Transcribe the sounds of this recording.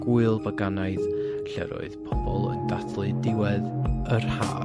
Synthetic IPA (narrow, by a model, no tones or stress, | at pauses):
ɡ̥uɨlˠvaɡanaɨðɬɛ̰ɾɔ̰ɨðpʰɔbɔlˠə̰ndaθʰlˠɨdɪwɛðərha̰ː